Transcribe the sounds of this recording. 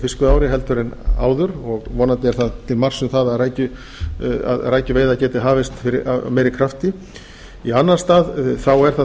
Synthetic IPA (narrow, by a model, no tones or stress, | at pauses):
fɪskʏaːwɾɪɦɛlt̪ʏɾɪna̰ːwðʏɾɔɣvɔːnant̪ɪɛɾ̥θaðt̪ʰɪlmar̥sʏmθaðaðɾaːjcʏ | a̰ðraːjcʏveːjðacɛːt̪ɪɦaːvɪst̪fɪɾɪa̰mɛːɾɪkʰɾaft̪ɪ | ianːaɾst̪aːðθawɛɾ̥θa